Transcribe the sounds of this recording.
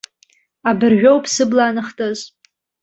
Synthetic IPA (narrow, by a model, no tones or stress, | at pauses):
abɨrʒᶣowpʰsɨblaːnɨχtʼɨz